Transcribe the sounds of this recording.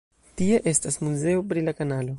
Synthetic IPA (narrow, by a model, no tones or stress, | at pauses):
t̪ieʔestasmuzeopɾilakanalo